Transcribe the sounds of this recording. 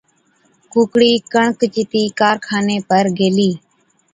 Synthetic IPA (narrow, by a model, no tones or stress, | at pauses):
kuːkɽiːkəɳkt͡ʃɪt̪iːkaːɾkʰaːneːpəɾɡeːliː